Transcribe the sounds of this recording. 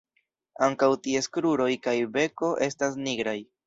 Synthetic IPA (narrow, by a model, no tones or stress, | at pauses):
aŋkawtie̞skɾuɾo̞jkajbe̞ko̞ʔe̞stas̬niɡɾaj